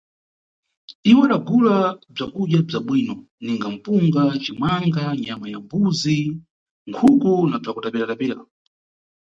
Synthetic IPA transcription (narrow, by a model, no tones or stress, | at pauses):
iwaɗaɡulab͡ʐakuɗjab͡ʐaɓwiːnɔ | niŋɡam̩puŋɡat͡ʃimwaŋɡaɲamajambuzi | ŋkʰukunab͡ʐakutapɛɾatapɛla̰